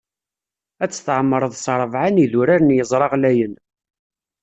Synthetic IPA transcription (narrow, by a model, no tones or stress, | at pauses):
æt͡sːθʕmːəɾˤəðˤsˤɾˤəvʕaniðʊɾaɾənjəzˤɾˤɑʁlæjən